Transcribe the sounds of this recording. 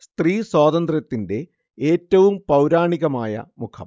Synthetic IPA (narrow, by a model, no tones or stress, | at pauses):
st̪riːswaːðɐnd̪rɐt̪ːinde̞ | eːtːɐʋumpɐwɾaːɳiɣɐmaːjɐ̰mukʰɐ̰m